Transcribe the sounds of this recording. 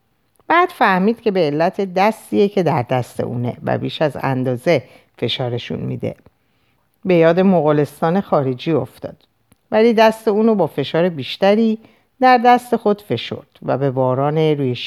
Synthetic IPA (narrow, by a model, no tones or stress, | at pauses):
b̥æːd̪̥fæhmiːd̪̥cʰe̞be̞ːlːæt̪ʰe̞d̪æst̪iːecʰe̞d̪æɾd̪æst̪e̞̰ʔṵːne̞̰væ̰biːʃæzæ̰nd̪ɒːze̞ | fe̞ʃɒːɾe̞ʃṵnmḭːd̪e̞̰ | be̞jɒːd̪e̞moɣɒle̞st̪ɒːne̞xɒːɾed͡ʒiːo̞ft̪ɒ̰ːd̪̥ | væliːd̪æst̪euːnobɒːfe̞ʃɒːɾe̞biːʃt̪æɾiː | d̪æɾd̪æst̪e̞xo̞d̪̥fe̞ʃo̞̰ɾd̪̥væ̰be̞vɒːɾɒːne̞ɾuːjeʃ